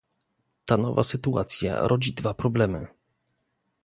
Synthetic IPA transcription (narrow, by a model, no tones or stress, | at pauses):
t̪anɔva̰sɘt̪ua̰t̪sʲja̰ɾʔɔd͡ʑid̪vapɾɔblɛmɘ̰